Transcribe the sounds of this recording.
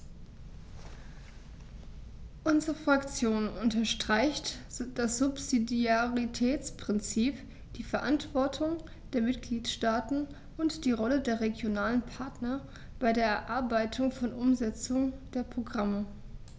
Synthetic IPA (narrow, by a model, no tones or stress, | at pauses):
ʔʊnzəʁəfʁ̥akt͡sjoːnʊntɐʃtʁ̥aɪçtd̥asz̥ʊpz̥idiaʁitʰɛːt͡spʁ̥ɪnt͡siːp | d̥iːfɛɐʔantv̥ɔɐtʰʊŋ | d̥eːɐmɪtɡ̥liːtʃtaːtn̩ | ʔʊntd̥iːʁɔlədeːɐʁeɡjonaːlənpʰaɐtnɐ | b̥aɪdeːɐɛɐʔaɐbaɪtʰʊŋfɔnʔʊmzɛt͡sʊŋd̥eːɐpʁ̥oɡʁamə